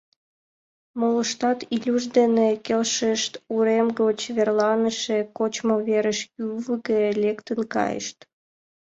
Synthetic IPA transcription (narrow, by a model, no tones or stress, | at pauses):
moləʃt̪ɑt̪ilʲuʒd̪enekelʃəʃt̪uɾemɡot͡ɕβerlɑnəʃekot͡ɕmoβeɾəʃkyvəɣelʲekt̪ənkɑ̰jə̰ʃt̪